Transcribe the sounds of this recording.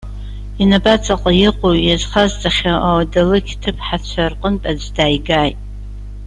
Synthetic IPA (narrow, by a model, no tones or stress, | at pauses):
inabat͡sʰʼaqʼajɪqʷʼojazχazt͡sʼaχʲaʔawadalɨkʲʰtʰɨpʰħat͡ʃʷʰarqʼəntʼad͡zdaːjɡaːjtʼ